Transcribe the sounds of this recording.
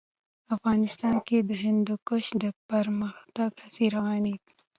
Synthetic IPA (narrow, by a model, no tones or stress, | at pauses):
ɐfɣɑːnɪst̪aːnked̪ɐɦɪ̃nd̪ukoʃd̪əpɐɾməxt̪ɐɡhɐsiɾɐwaːnit̪